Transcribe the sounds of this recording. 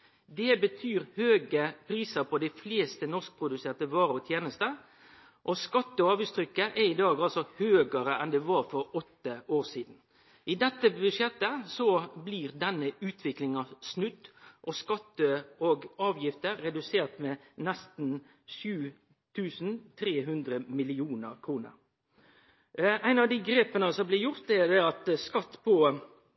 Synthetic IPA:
d̪ɛbət̪ʰyːɾhøːɡəpʰɾiːsəɾpʰɔd̪æɪfleːst̪ənɔʁsk̚pʰɾʊd̪ʉseːʁt̪əʋɑːɾɔt̪ʰjeːnəst̪ə | ʔɔskɑt̪ːəɔɑːʋʉst̪ʰɾʏkːəʔɛɾɪd̪ɑːɡɑlsɔhøːɡəɾəʔɛnd̪ɛʋɑːɾfɔɾɔt̪ːəoːʁsiːd̪n̩ | ʔɪd̪ɛt̪ːəbʉdʂjɛt̪ːəsɔbliːʁd̪ɛnːəʉːt̪ʰʋɪklɪŋɑsnʉt̪ːʔɔskɑt̪ːəoɡɑːʋjɪft̪əɾːɛd̪ʉseːʁt̪mɛːnɛst̪n̩ | ʃʉː | t̪ʰʉːsn̩t̪ʰɾeːɦʉnd̪ɾəmɪlɪuːnəɾkʰɾuːnə̰ɾ | æɪnɑʋd̪ɪɡɾeːpənəsɔmblɪɾjʊʁt̪ɛɾd̪ɛɑt̪skɑt̪ːpʰɔ

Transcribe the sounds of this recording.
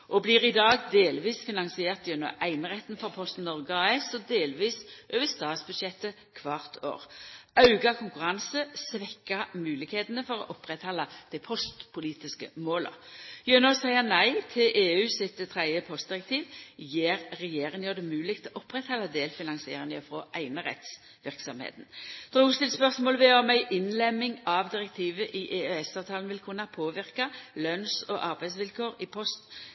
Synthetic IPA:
ʔɔbliːʁɪd̪ɑːɡd̪eːlʋiːsfɪnɑŋsɪeːʁt̪jɛnːɔ̰ʔæɪnəʁɛt̪ːn̩fɔʁpʰɔst̪nːɔʁɡəɑːɛsɔd̪eːlʋiːsʔøːʋəst̪ɑːt̪sbʉd̪ʃɛt̪ːə | kʰʋɑːʁt̪ʰo̰ːʁɑʉɡɑkʰʊŋkʉʁɑnsəsʋɛkːəmʉːlɪkheːt̪ənəfɔɾɔ̰ʔɔpʁɛt̪hɑlːəd̪̥ɛpʰɔst̪pʰʊliːt̪ɪskə̰moːlə̰jønɔsæɪənæɪt̪ʰɪlʔeːʉːsɪt̪t̪ʰʁɛɪəpʰɔst̪̚d̪ɪʁɛk̚t̪ʰiːʋjeːʁːɛjeːʁɪŋnjøːd̪ɛmʉːlɪk̚t̪ʰɪlɔʔɔpːʁɛt̪hɑlːɑd̪eːlfɪnɑŋsɪḛːʁɪŋəfʁɔʔæɪnəʁɛ̰t̪s | ʋɪʁksɔmhḛːt̪n̩d̪̥ʁuːʊst̪ɪlspœʁsmoːləʋɛɔmæɪʔɪnlɛmːɪŋɑʋd̪ɪʁɛk̚t̪ʰiːʋəʔiʔeːøɛsɑːʋt̪ʰɑːlnʋɪlkʰʉnɑpʰoːʋɪʁkɑlœnsɔʔɑʁbæɪs̬ʋɪlkʰoːɾɪpʰɔst̪

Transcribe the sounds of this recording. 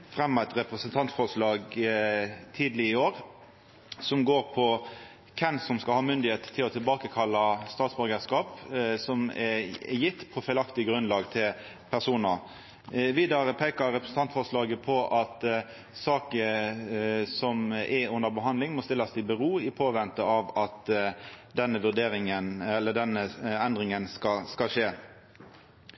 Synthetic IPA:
fɾɛmːɑɛt̪ʁɛpɾəsənt̪ʰɑnt̪fɔʁʂlɑːɡ | t̪ʰiːd̪lɪɪoːɾ | sɔmɡoːɾpʰɔ | kʰɛnsɔmskɑlhɑːmʏnd̪ɪheːt̪t̪ʰːɪlɔt̪ʰɪlbɑːkəkʰɑlːəst̪ɑːt̪sbɔɾɡəskɑːpsɔmɛɛjɪt̪ːpʰɔfɛɪlɑkt̪ɪəɡɾʉnlɑːɡt̪ʰɪl | pʰæʁsuːnə | ʋiːd̪ɑʁəpʰeːkəɾɛpɾəɛsn̩t̪ʰɑnt̪fɔʁslɑːɡəpʰɔʔɑt̪ | sɑːkə | sɔmɛʉnd̪əʁbəɦɑnd̪lɪŋmɔst̪ɪlːɑsɪbəʁuːɪpʰoːʋɛnt̪əɑʋɑt̪ | d̪ɛnːəʋʉʁd̪eːɾɪŋənɛlːəɖ̪ɛnːəɛnd̪ʁɪŋənskɑskɑʃeː

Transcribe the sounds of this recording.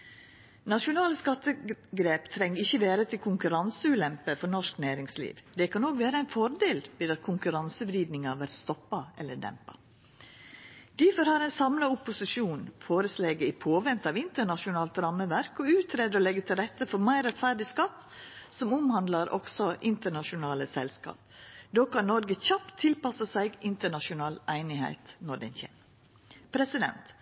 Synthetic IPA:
nɑʂʊnɑːləskɑt̪ːəɡɾeːpt̪ʰɾɛŋːɾɪçːəʋeːɾət̪ʰɪlkʰʊŋkʉɾɑnsəʉːlɛmpəfɔɾnɔʂknæːɾɪŋslḭːʋd̪ɛkʰɑnoːkʋeːɾəæɪnfɔɾd̪eːlbɪːd̪ɑt̪kʰʊŋkʉɾɑnsəʋɾiːd̪nɪŋɑʋæɾst̪ɔpːɑʔɛlːəɖɛ̰mpɑ̰ | d̪̥ɪfɔɾhɑɾæɪnsɑmlɑʊpːʊsɪʂuːnfoːɾəsleːɡəɪpʰoːʋɛnt̪ɑʋɪnt̪əɳɑʃʊnɑːlt̪ɾɑmːəʋæɾkɔʉːt̪ʰɾeːd̪əɾɔlɛɡːət̪ʰɪlɾɛt̪ːəfɔɾmæɪɾɛt̪fæɖɪskɑt̪ː | sɔmʊmhɑnd̪lɑɾʔɔ̰ksɔʔɪnt̪əɳɑʃʊnɑːləsɛlskɑ̰ːp̚d̪oːkʰɑnnːɔɾɡəçɑpt̪ʰːɪlpɑsəsæɪɡɪnt̪əɳɑʃʊnɑːlæɪnɪhæ̰ɪt̪nɔɖɛnçɛ̰n | pʰɾɛsɪd̪ɛ̰nt̪

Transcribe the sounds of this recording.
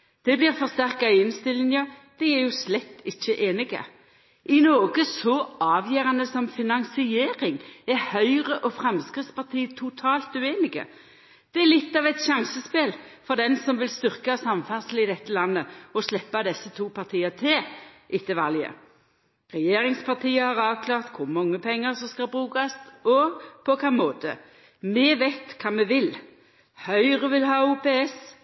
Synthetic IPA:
d̪̥ɛblɪːʁfɔʁst̪æʁkɑɪɪnst̪ɪlɪnəd̪̥ɛæɾjʊslɛt̪ːɪçːəʔeːnɪɡə̰ | ʔɪnoːɡəsɔʔɑːʋjeːʁɑnəsɔmfɪnɑŋsɪeːɾɪŋæʁhœʏʁəʔɔfʁɛmskʁɪt̪spɑʁt̪ʰiːt̪ʰʊt̪ʰɑːlt̪ʉeːnɪɡə̰ | d̪̥ɛɛlɪt̪ːɑːʋɛt̪ʃɑŋsəspeːlfɔd̪ɛnsɔmʋɪlst̪ʏʁkɑsɑmfæʁsəl̩ɪd̪ɛt̪ːəlɑnːəɔslɛpːɑd̪ɛsːət̪ʰuːpʰɑʁt̪ʰiːət̪ʰɪʔɪt̪ʰːəʋɑljə̰ | ʁɛjeːʁɪŋspʰɑʁt̪ʰiːəhɑʁɑːʋkʰlɑːʁt̪kʰʊʁmɑŋːəpʰɛŋːəsɔmskɑlbʁʉːkɑsɔpʰɔkʰɑːmoːt̪ə̰ | mɛʋɛɪt̪kʰɑːmɛʋɪl | hœʏʁəʋɪlɦɑːuːpeɛs

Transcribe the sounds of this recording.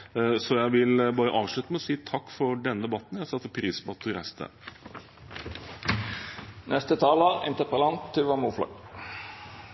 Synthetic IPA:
sɔjæɪʋɪlbɑːɾəʔɑːʋʂɭʉːt̪əmɛɔsiːt̪ʰɑkːfɔɾɖɛnːəd̪ɛbɑt̪njæɪsɑt̪fɔpʰɾiːspɔɑt̪ʰːɪɾæ̰st̪ʰə̰ | nɛst̪ət̪ʰɑːləɪ̰nt̪əpəlɑnt̪ʰːɪʋɑmuːflɔ̰ɡ

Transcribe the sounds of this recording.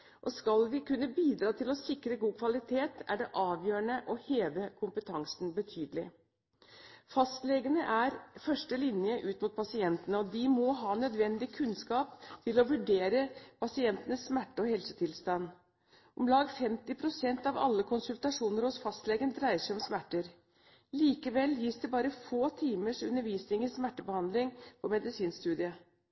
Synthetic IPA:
ʔɔskɑlʋɪkʰʉnːəbiːd̪ɾɑːt̪ʰɪlɔsɪkɾəɡuːkʰʋɑlɪt̪ʰeːt̪æɖɛʔɑːʋjøːəɳəʔɔheːʋəkʰʊmpət̪ʰɑŋsn̩bət̪ʰyːd̪əlɪ | fɑst̪lɛɡənəʔæɾfœʂʈəlɪnjəʔʉːt̪mut̪̚pʰɑsɪɛnt̪ənəɔd̪ɪmɔɦɑːnœd̪ʋɛnd̪ɪkʰʉnskɑːpt̪ʰɪlɔʋʉɖeːɾəpʰɑsɪɛnt̪ənəsːmæʈːəɔhɛlsət̪ʰɪlst̪ɑn | ʔɔmlɑːɡfɛmt̪ɪpʰɾʊsɛnt̪ɑʋɑ̰lːəkʰʊnsʉlt̪ɑʂuːnəɾhɔsfɑst̪lɛɡənəd̪ɾæɪəʂæɪɔmsmæʈːəɾ | liːkəʋɛlːjiːsd̪ɛbɑːɾəfoːt̪ʰiːməʂʉ̰nːəɾʋiːsnɪŋɪsmæʈːəbəhɑnd̪lɪŋpʰɔmɛd̪ɪsiːnst̪ʉːd̪ɪə

